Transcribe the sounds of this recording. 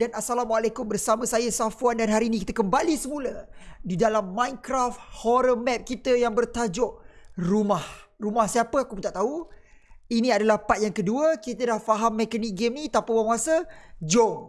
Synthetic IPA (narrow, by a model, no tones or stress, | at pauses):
danasalamwalekʊmbərsamə̃sajasafuandanɦaɾiːnikit̪əkəmbalisəmulədidalamːãjnkɾaft̪̚hɔɾəmɛp̚kit̪əjaŋbərt̪ad͡ʒɔʔ̚rumahrumahsiapəakupunt̪aʔt̪au | inĩadalahpat̪̚jaŋkəduəkit̪ədahfaɦamːɛkanik̚ɡemit̪apawamuasəd͡ʒo